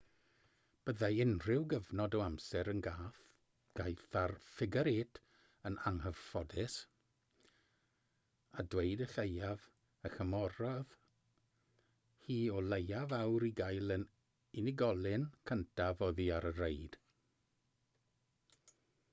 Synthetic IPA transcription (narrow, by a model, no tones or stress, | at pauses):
b̥əðaɪnrɪwɡəvnɔdɔamsɛɾənɡaːθ | ɡ̥ajθarfɪɡəɾɪːtʰ | əna̰ŋhəvfɔdɪs | adwejdəɬejav | əxəmɔɾɔð | hiːɔlejavawɾiɡajlˠən | ɪnɪɡɔlˠɨnkʰəntʰavɔðiaɾərejd̥